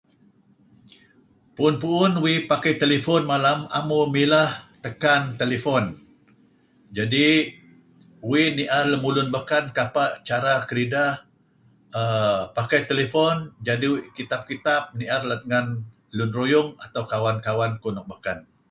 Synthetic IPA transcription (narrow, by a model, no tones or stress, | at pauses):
puʊnpuʔʊnwipakajt̪elefɔnmalama̰mumilaht̪əkant̪elefɔn | d͡ʒadi | winiʔarləmulʊnbakankapaʔt͡ʃaɾakəɾidah | əpakajt̪elefɔnd͡ʒadiwkit̪ap̚kit̪ap̚niʔarlat̪əŋan | lunrojʊŋa̰t̪awkawankawankunɔk̚bakan